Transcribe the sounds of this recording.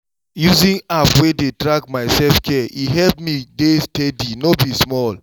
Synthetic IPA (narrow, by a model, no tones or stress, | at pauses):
juzĩnapwededɹaɡ̚maɪsɛlfkʰɛʔiɦɛlpmidestedinobismɔl